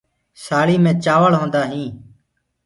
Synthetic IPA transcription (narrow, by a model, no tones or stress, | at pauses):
saːɭiːmẽːt͡ʃaːʋəɭɦõːnd̪aːɦĩː